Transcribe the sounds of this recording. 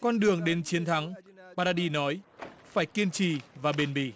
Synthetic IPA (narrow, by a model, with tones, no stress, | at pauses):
kɔ˧nɗɨ˨˩əŋɗe˨˦nt͡ɕi˨˦ənt̪ʰa˨˦ŋɓaː˧ɗaː˧ɗi˧nɔ˨˦jfaː˧˩jki˧ənt͡ɕi˧˩vaː˨˩ɓe˧˩nɓḭ˧˩